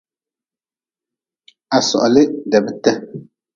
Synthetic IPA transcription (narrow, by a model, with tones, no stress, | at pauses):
a˨sɔ̰˨ʔɔ˨lɪ˦dɛ˨bɪ˦tɛ˦